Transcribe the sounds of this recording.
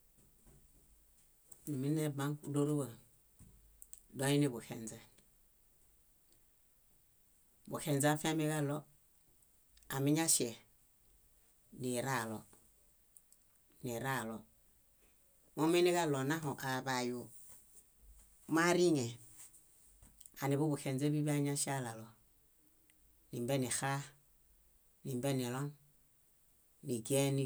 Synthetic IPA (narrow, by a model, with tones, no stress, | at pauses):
ni˨mi˦ne˦ba˦ŋ˦ku˦do˦ɾu˦wa˨ | do˦i˦ni˦bu˨hḛ˨nza˨ | bu˨he˨nza˦fe˦mi˦ka˦lɔ˦ | a˨mi˦ɲa˦si˨e˨ | ni˨ɾa˦˨lɔ˨˦ | ni˨ɾa˦˨lɔ˨ | mo˦mi˦ni˦ka˦lo˨na˦ɦo˨ʔa˨βa˨ju˨ | ma˦ɾi˦ɲe˨ | a˨ni˨βu˦bu˨ke˨nd͡ze˦βi˦βi˦a˦ɲa˦ʃa˦la˨lo˨ | ni˨mbɛ˦ni˨xa˦ | ni˨mbɛ˦ni˨lo˦n | ni˨ɡe˦ni˦